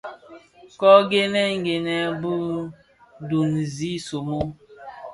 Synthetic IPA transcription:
kɔ˦ɡe˦nɛ˦ŋ̩˨˦ɡe˨nɛ˦bu˦ | du˨nzi˦so˨mo˦

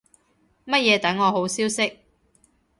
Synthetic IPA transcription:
mɐ˥t̚jɛː˨˧t̪ɐ˨˥ŋːɔː˨˧ɦo˨˥wsiː˥wsɪ˥k̚

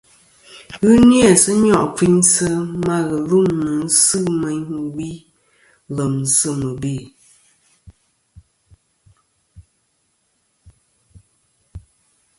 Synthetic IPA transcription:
ɣɨ˦nja˦˨sɨ˦ɲɔ˦˨ʔki˦ɲsə˦ma˦ɣə˨lu˦˨ŋnɨ˨n̩˦sɨ˦mɛ˨ɲ˦wi˦ | lə˨m˨sə˦mə˨be˦˨

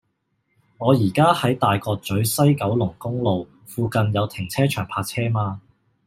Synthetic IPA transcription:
ŋɔː˨˧jiː˨˩kaː˥hɐ˨˥jt̪aː˨jkɔː˧k̚t͡sɵ˨˥ɥsɐ˥jkɐ˨˥wlʊ˨˩ŋkʊ˥ŋlo˨w | fuː˧kɐ˨˧njɐ˨˧wt̪ʰɪ˨˩ŋt͡sʰɛː˥t͡ʃʰœː˨˩ŋpʰaː˧k̚t͡sʰɛː˥maː˧

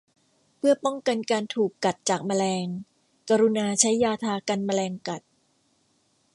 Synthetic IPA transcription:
pʰɯ˥˩ɐpɔ˥˩ŋka˧nkaː˧nt̪ʰuː˨˩kːa˨˩t̪̚t͡ɕaː˨˩k̚ma˧lɛː˧ŋ | ka˧ɾu˧naː˧t͡ɕʰa˦˥jːaː˧t̪ʰaː˧ka˧nma˧lɛː˧ŋka˨˩t̪̚

